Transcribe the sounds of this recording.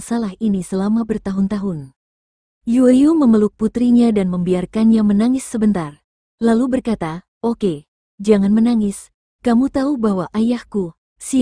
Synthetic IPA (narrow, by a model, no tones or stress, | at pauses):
salahinisəlamabərt̪aɦʊnt̪aɦʊn | juəjuməməluk̚put̪ɾiɲadanməmbiarkanɲamənaŋɪsːəbənt̪ar | lalubərkat̪a | oke | d͡ʒaŋanmənaŋɪs | kamut̪aubaɦwaʔajahku | si